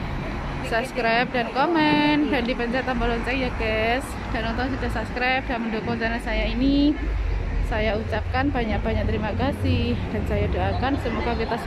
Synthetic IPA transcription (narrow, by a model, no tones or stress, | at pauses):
sapskɾap̚dankomɛnpɛndipɛnt͡ʃat̪ambalɔnsaŋjakɛs | d̥anɔnt̪ɔŋsəd͡ʒaʔsapskɾap̚danməndokɔnt̪ɛnasajaini | sajaut͡ʃap̚kanbaɲaʔ̚b̥aɲaʔ̚t̪əɾimakasɪhd̥ansajadoʔakansəmuakakit̪a